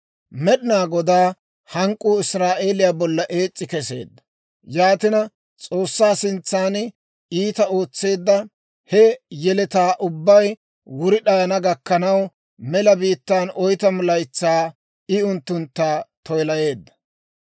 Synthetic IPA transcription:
mɛɗɪnaːɡɔd̪aː | hɐŋkʼːuːɪsɾaːʔe̞ːlɪjaːbɔlːɐʔe̞ːt͡sʼːɪkɛse̞̰ːd̪ːɐ̥ | jaːt̪ɪnɐ | t͡sʼo̞ːsːaːsɪnt͡sːaːn | iːt̪ɐo̞ːt͡sːe̞ːd̪ːɐ | hɛjɛlɛt̪aːʔʊbːɐj | wʊɾɪɗɐjɐnɐɡɐkːɐnɐw | mɛlɐbiːt̪ːaːnɔjt̪ɐmʊlɐjt͡sːaː | ɪʊnt̪ːʊnt̪ːaːt̪ʰɔjlɐje̞ːd̪ːɐ̥

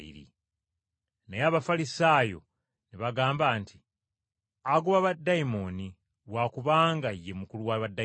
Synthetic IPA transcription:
ḭɾḭ | nejaːβafalisaːjo̞̰ | neβaɡaːmbaːntʰi | aɡuβaβadːajimo̞ni | βwakuβaːŋɡajːemukuluwaβadːa

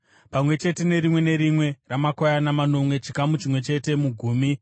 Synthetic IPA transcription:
pamwe̞t͡ʃe̞te̞ne̞ɾimwe̞ne̞ɾimwe̞ramakojanamano̞mwe̞t͡ʃikamut͡ʃimwe̞t͡ʃe̞te̞muɡʱuːmi

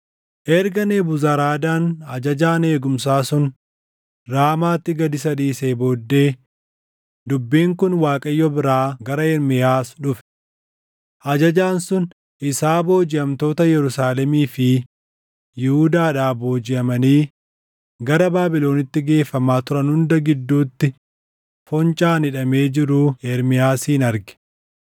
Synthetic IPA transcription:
ʔɛɾɡɐneːbʊzaɾaːd̪aːnɐd͡ʒɐd͡ʒaːne̞ːɡʊmsaːsʊn | ɾaːmaːt̪ːɪɡɐd̪ɪsɐd̪iːseːbo̞ːd̪ːe̞ː | d̪ʊbːiːŋkʊnwaːkʼɐjːɔbɪɾaːɡɐɾɐɛɾmɪjaːsᶑʊfɛ̥ | ʔɐd͡ʒɐd͡ʒaːnsʊn | ʔɪsaːbo̞ːd͡ʒɪɐmt̪o̞ːt̪ɐjɛɾʊsaːlɛmiːfɪ | jɪhʊd̪aːᶑaːbo̞ːd͡ʒɪʔɐmɐniː | ɡɐɾɐbaːbɪlo̞ːnɪt̪ːɪɡe̞ːfːɐmaːt̪ʊɾɐnhʊnd̪ɐɡɪd̪ːuːt̪ːɪ | fɔnt͡ʃʼaːnɪᶑɐme̞ːd͡ʒɪɾuːɛɾmɪjaːsiːnɐɾɡɛ̥

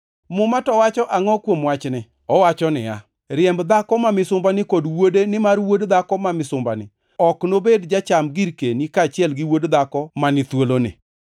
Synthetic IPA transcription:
mʊmatɔwat͡ʃɔʔaŋɔkwomwat͡ʃnɪ | ɔwat͡ʃɔnɪ̰ja̰ | ɾɪɛmbd̪akɔmamɪsʊmbanɪkodwodenɪmarwodd̪akɔmamɪsʊmbanɪ̰ | ɔknobedd͡ʒat͡ʃamɡiɾkenikat͡ʃɪɛlɡɪwodd̪akɔmanɪt̪wolonɪ̰

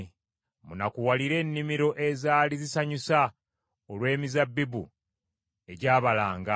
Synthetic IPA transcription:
munakuwaliɾe̞ːnːimiɾo̞ʔe̞zaːlizisaɲusa | olwe̞ːmizabːibṵ | e̞ɟaːβalaːŋɡa

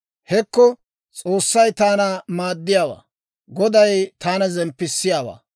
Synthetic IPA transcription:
hɛkːɔ | t͡sʼoːsːɐjt̪aːnɐmaːd̪ːɪjaːwa̰ː | ɡɔd̪ɐjt̪aːnɐzɛmpːɪsːɪjaːwa̰ː

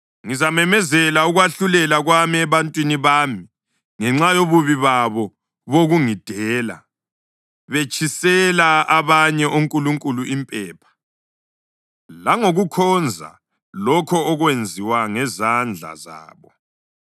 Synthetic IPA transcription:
ŋizamɛmɛzɛlauɣwaɬulɛlaɣwamiɛβantʼwiniβaːmi | ŋɛŋ͡ǁajoβuβiβaβɔ | βoɣuŋid̥ʱɛːla̰ | βet͡ʃʰʼisɛlaaβaɲɛʔoŋkʼuluŋkʼuluʔimpʼɛːpʰḁ | laŋoɣukʰɔnd͡zʱa̰ | lɔkʰɔːɣwend͡zʱiwaŋɛzand͡ɮʱa̰za̰ːβɔ

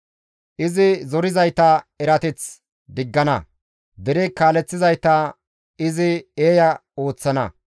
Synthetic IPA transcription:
ʔɪzɪzɔɾɪzɐjt̪ɐɛɾɐt̪ɛt͡s | d̪ɪɡːɐnɐ | d̪ɛɾɛkaːlɛt͡sːɪzɐjt̪ɐ | ɪzɪeːjɐo̞ːt͡sːɐnɐ̰

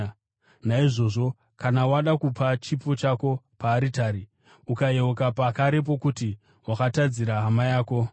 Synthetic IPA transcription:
naiʐo̞ːʐo̞ | kanawaɗakupat͡ʃipo̞t͡ʃako̞ | paːɾitaːɾi | ukajeokapakaɾe̞p̬o̞kuti | wakatad͡ziɾaɦamajaːko̞

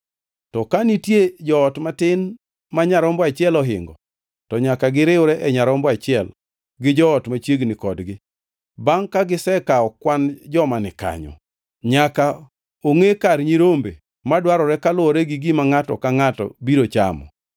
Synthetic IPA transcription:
tɔkanitjed͡ʒɔːtmatɪn | maɲaɾɔmbɔat͡ʃɪɛlɔɦɪ̰ŋɡɔ̰ | tɔɲakaɡɪɾɪʊɾɛʔɛɲaɾɔmbɔat͡ʃɪɛl | ɡɪd͡ʒɔɔtmat͡ʃeɡnɪkɔdɡɪ | baŋkaɡɪsɛkaɔkwand͡ʒɔmanɪka̰ɲɔ̰ | ɲaka | oŋekaɾɲiɾombe | madwaɾɔɾɛkalʊɔɾɛɡiɡimaŋatɔ̰kaŋatɔ̰biɾot͡ʃa̰mɔ̰

